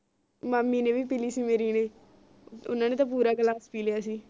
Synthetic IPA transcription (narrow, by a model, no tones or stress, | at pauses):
maːmːiːnẽːʋiːpiːliːsiːmeːɾiːneː | ʊ̰nãːneːt̪ãːp̬uːɾaːkəlaːspiːlejaːsiː